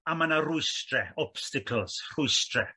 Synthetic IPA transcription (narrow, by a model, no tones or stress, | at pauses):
amanarʊɨstrɛɔpstɪkʰəlˠsr̥ʊɨstrɛ